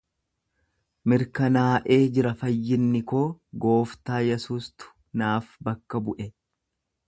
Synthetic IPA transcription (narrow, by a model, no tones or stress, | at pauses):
mɪɾkɐnaːʔe̞ːd͡ʒɪɾɐfɐjːɪnːɪko̞ːɡo̞ːft̪aːjɛsuːst̪ʊ̥ | naːfbɐkːɐbʊʔɛ